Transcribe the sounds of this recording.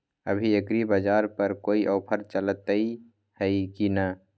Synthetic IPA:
ə̰bʱiekɾibəd͡ʒaːɾpəɾkoːiʔɔːpʰəɾt͡ʃələt̪i | həikinə

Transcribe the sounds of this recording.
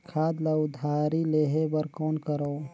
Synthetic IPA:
kʰaːd̪ləd̪ʱaɾileɦebəɾkoːnkəɾəː

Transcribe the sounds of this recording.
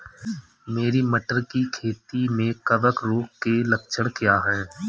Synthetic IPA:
meːɾiməʈəɾkikʰeːt̪imẽkəʋəkɾoːkkelək̚t͡ʃʰəɽ̃kjaːɦɛ̃ː

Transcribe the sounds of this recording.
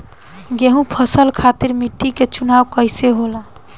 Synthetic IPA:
ɡeɦũpʰəsəlkʰat̪iɾmiʈːiket͡ʃunawkəjseɦola

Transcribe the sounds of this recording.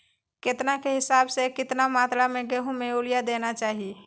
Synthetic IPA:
ket̪nakeɦɪsabsekɪt̪namat̪ɾameɡeɦũmeulijad̪enat͡ʃaːɦi

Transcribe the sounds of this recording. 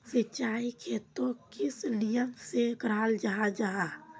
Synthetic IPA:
sət͡ʃaːikʰet̪okɪslijənsekɾaːld͡ʒaad͡ʒaa

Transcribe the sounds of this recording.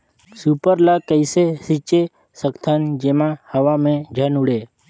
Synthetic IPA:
supəɾlaːkəɪsesit͡ʃe | səkt̪ʰənd͡ʒeːmãhəʋamẽd͡ʒʱənuɽeː

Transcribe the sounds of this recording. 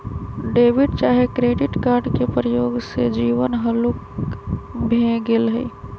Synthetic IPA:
ɖeːʋɪɖt͡ʃaːɦekɾeːɖɪʈkaːɾɖkepɾəjoːɡsed͡ʒiːʋənɦəluk | bʱẽɡelɦə̰i

